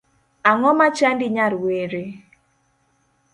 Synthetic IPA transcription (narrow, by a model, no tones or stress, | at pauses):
aŋɔmat͡ʃandɪɲaɾweɾe